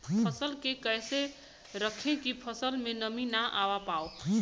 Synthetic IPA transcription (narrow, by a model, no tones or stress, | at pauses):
pʰəsəlkekəjse | ɾəkʰẽkipʰəsəlmenəminaʔawapao